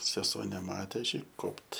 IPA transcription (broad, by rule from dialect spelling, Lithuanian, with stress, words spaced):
sʲɛˈsuɔ nʲɛˈmɑːtʲeː ˈɐʃ ˈjɛɪ ˈkoːpt